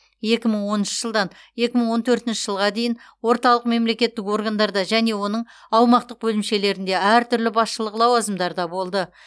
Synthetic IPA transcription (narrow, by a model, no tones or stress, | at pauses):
je̞kʲɪməɴwo̞nənʃə̥ʒ̥əlˠd̪ɑn | je̞kʲɪməɴwo̞nt̪ʰɵɾt̪ɪnʃɪ̥ʒəlˠʁɑd̪e̞jɪn | wo̞ɾt̪ɑlˠəq̚me̞mle̞kʲe̞t̪ːɪko̞rɡand̪ɑɾd̪ɑʒæne̞wo̞nəɴ | ɑwmɑq̚t̪əq̚bɵlɪmʃe̞le̞ɾɪnd̪e̞æɾt̪ʰʏɾlɪbɑsʃəlˠəqlˠɑwɑzəmd̪ɑɾd̪ɑbo̞lˠd̪ə